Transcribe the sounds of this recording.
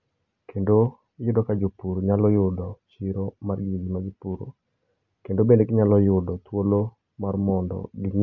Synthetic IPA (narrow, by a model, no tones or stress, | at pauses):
kʰendo | jʊdɔkad͡ʒopuɾoɲalɔjʊdɔt͡ʃiɾomarɡjed͡ʒimad͡ʒipuɾo̰ | kendobendeɡɪɲalɔjʊdɔt̪wolo | marmɔndɔ̰ɡɪŋ